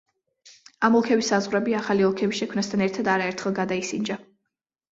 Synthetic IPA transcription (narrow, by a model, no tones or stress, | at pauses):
amɔlˠkʰɛbisːazʁɾɛbiaχaliɔlˠkʰɛbisʃɛkʰmnast̪ʰanɛɾt̪ʰad̪aɾaɛɾt̪ʰχɛlˠɡad̪aisind͡ʒa